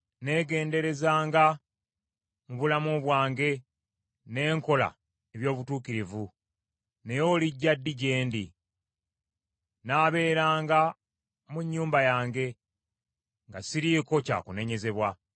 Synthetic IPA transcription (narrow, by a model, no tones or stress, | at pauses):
ne̞ːɡe̞ːnde̞ɾe̞zaːŋɡa | muβulamuβwaːŋɡe̞ | ne̞ːŋko̞la̰ | eβjo̞ːβutuːkiɾivu | ne̞jo̞ːliɟːadːiɟe̞ːndḭ | naːβe̞ːɾaːŋɡa | muɲːuːmbajaːŋɡe̞ | ŋɡasiɾiːko̞ca̰ːkune̞ɲe̞ze̞βwa